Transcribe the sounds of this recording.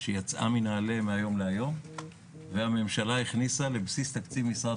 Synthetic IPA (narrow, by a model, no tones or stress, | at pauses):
ʃejat͡sʔa̰minaːlemeajo̞mleajo̞m | veame̞mʃalaiχnisale̞bsist̪akt͡sivmisʁa